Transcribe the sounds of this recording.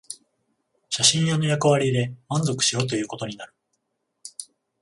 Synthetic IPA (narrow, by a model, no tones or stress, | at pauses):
ɕaɕĩɰ̃jano̞jakɯ̟βaɾʲid̪e̞mãnzo̞kɯ̟̥ɕio̞ːt̪o̞jɯ̟ːko̞t̪o̞ɲ̟inaɾɯ̟̥